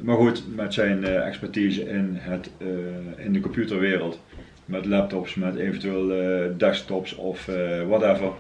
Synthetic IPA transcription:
maːɹχutmɛtsɛjnɛ̰kspɛɹtizəʔɪnɦət | ɪndəkɔmpjutəɹʋɪːrəlˠt | mɛtlɛp̚tɔpsmɛteːvəntyʋeːlˠdɛsk̚tɔpsɔfwɔtɛvəɹ

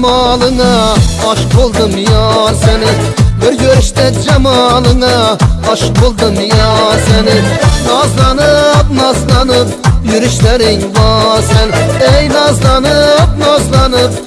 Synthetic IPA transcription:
mɑlˠəŋɑɑʃɨ̥q̚bolˠd̪ɨmjɑɾsɛnɪ | bɪɾjøɾɪʃt̪ɛd͡ʒɑmɑlˠəɴɑɑʃɨq̚bolˠd̪ɨmjɑɾsɛnɪnɑzlˠɑnɨpnɑzlˠɑnɨp̚jyɾɪʃlæɾɪŋvɑɾsɛnejnɑzlˠɑnɨp̚nɑzlˠɑnɨp̚

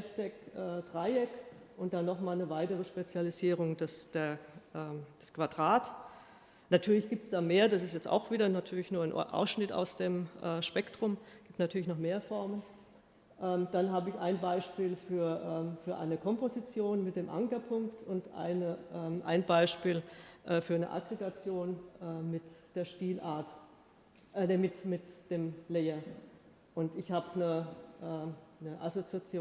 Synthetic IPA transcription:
ɛçtɛkʔɛːdʁaɪɛk | ʔʊnt̚d̥anːɔχmaːlnəvaɪtəʁəʃpet͡sjaliziːʁ̞ʊŋdɛsd̥eːɐʔɛːd̥ɛskv̥adʁaːt | natʰyːɐlɪçɡ̥iːp̚tsd̥aːmeːɐdasɪstjɛt͡sta̰ʊxv̥iːdɐnatʰyːɐlɪçnuɐanʔa̰ʊsʃnɪta̰ʊsd̥eːmʔɛːʃpɛktʁ̥ʊmɡ̥iːp̚tnatʰyːɐlɪçnɔχmeːɐfɔɐmən | ʔɛːmd̥anɦaːbəɪçʔa̰ɪnbaɪʃpiːlfyːɐʔɛːfyːɐʔa̰ɪnəkʰɔmpozit͡sjoːnmɪt̚d̥eːmʔa̰ŋkɐpʰʊŋktʰʊntʔa̰ɪnəʔɛːʔa̰ɪnbaɪʃpiːlʔɛːfyːɐnə̰ʔa̰ɡʁeɡat͡sjoːnʔɛːmɪtd̥eːɐʃtiːlʔaːɐt | ʔmɪtmɪtd̥eːmlɛːɐ | ʔʊntɪçhaːbənəʔɛːnəʔazot͡siat͡sjoː

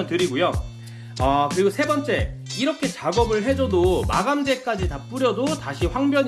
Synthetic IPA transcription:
ntɯɾiɡojo | ʌkɯɾiɡosʰe̞bʌnt͡ɕ͈e̞ | iɾʌkʰe̞t͡ɕaɡʌbɯɭɦe̞d͡ʑʌdoma̰ɡamd͡ʑe̞k͈ad͡ʑitap͈uɾjʌdotaɕʰiɸwaŋbjʌɲ

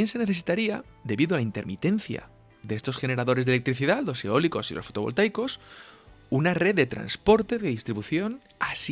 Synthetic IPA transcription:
jense̞ne̞θe̞si̥t̪aɾiaðe̞βiðoalaint̪e̞ɾmit̪e̞nθja̰ | ðe̞est̪o̞sxe̞ne̞ɾaðo̞ɾe̞zðelek̚t̪ɾiθiðat̪lo̞seo̞liko̞silʔo̞sfo̞t̪o̞βo̞lt̪ajko̞s | unare̞ðd̪e̞t̪ɾa̰nspo̞ɾt̪e̞ðeðist̪ɾiβuθjo̞n | a̰s

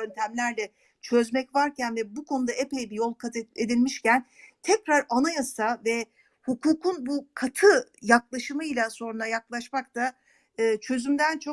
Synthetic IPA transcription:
ønt̪ʰæmlʲæɾlʲɛ | t͡ʃʰø̞zmɛcvaɾcʰænvɛbukʰo̞nud̪aepejbijo̞lˠkʰat̪ed̪ilʲmiʃcænt̪ʰɛcɾaɾanajasavɛ | hukʰuːkʰunbukʰat̪ʰɯjaklˠaʃɯmɯjlʲˠaso̞ɾunajaklˠaʃmak̚t̪a | ɯːt͡ʃʰø̞zymd̪ænt͡ʃʰo̞

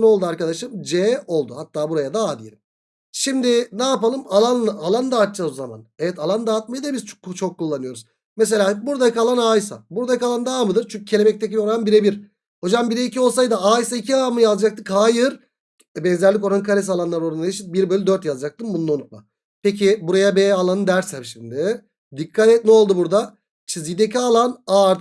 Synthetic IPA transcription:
no̞lˠd̪uaɾkad̪aʃɯmd͡ʒɛo̞lˠd̪uhat̪ʰːaːbuɾajad̪aad̪ijelʲim | ʃimd̪ɪnaːpalˠɯmalˠanlʔalˠand̪aːt̪t͡ʃazama̰nevɛt̪ʰalˠand̪aːt̪̚majɯd̪abizt͡ʃʰo̞kːulˠːanɯjo̞ɾuz | mes̬e̞lʲaːbuɾd̪akʰalˠanaːjsa̰buɾd̪akalˠand̪aːmɯd̪ɯɾt͡ʃʰyɲcʰycʰeemɛc̚t̪ecio̞ɾanbiɾɛbiɾ | ho̞d͡ʒambiɾɛicʰio̞lˠs̬ajd̪ɯaːjisaicʰiamɯjazd͡ʒak̚t̪ɯkhaːjɯɾ | bɛnzæɾlʲik̬o̞ɾankʰaɾʲes̬alˠanlˠaɾoɾunajeʃit̪̚biɾbølʲid̪øɾt̪jazd͡ʒak̚t̪ɯmbunud̪onut̪̚ma | pecʰibuɾajabɛːalˠanɯd̪æɾsɛɾʃimd̪ɪ | d̪ikʰːat̪ɛt̪̚nio̞lˠd̪ubuɾd̪a | t͡ʃʰizid̪ecʰialˠanaɾ

